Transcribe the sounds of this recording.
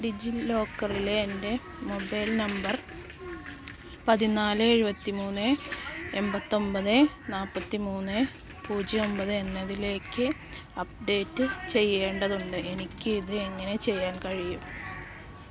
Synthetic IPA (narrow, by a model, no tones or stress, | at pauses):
ɖid͡ʑilo̞ːkːɐrileːnde̞ | mo̞bɐjlnɐmbɐr | pɐðinaːlɨeɻubɐt̪ːimuːnːɨembɐt̪ːo̞mbɐðɨnaːlpːɐt̪ːimuːnːɨ | puːd͡ʑio̞mbɐðɨenːɐðile̞ːkːɨ | ɐp̚ɖe̞ːtːɨt͡ɕe̞jːe̞ːɳɖɐðuɳɖɨʔe̞nikʲːɨiðɨeŋːɐne̞t͡ɕe̞jːaːnkɐɻijum